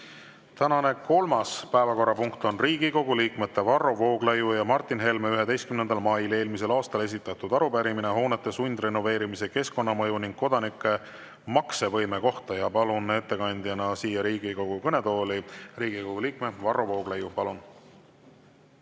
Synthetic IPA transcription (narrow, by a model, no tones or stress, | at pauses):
t̪ænɑne̞ko̞lmɑspæevɑko̞rːɑpuŋkt̪o̞nriːɡ̥iko̞ɡ̥uliːkmet̪ːe̞vɑrovo̞ːɡ̥lejujɑmɑrt̪ːˑinɦe̞lmeyɦe̞d̪ejst̪kymnend̪̥ɑlmɑjle̞ːlmise̞lɑːst̪ɑle̞s̬ʲit̪ːˑɑt̪ːˑud̪ɑɾupæɾimineɦo̞ːnet̪ːˑe̞sunʲd̪̥re̞no̞ve̞ːɾimise̞ke̞sko̞nːɑmɤjuniŋɡ̥kːo̞d̪̥ɑnikːˑe̞ | mɑkse̞vɤ̞jme̞ko̞ht̪ɑjɑpɑlune̞t̪ːe̞kɑnʲd̪̥jɑnɑsiːjɑɾiːɡ̥iko̞ɡ̥ukɤne̞t̪o̞ːliriːɡiko̞ɡ̥uliːkmevɑrovo̞ːɡ̥lejupɑlun